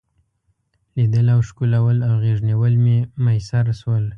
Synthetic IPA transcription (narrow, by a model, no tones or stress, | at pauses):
lid̪əlawʂkulawəlawɣeʐnewəlmemajsaɾswəl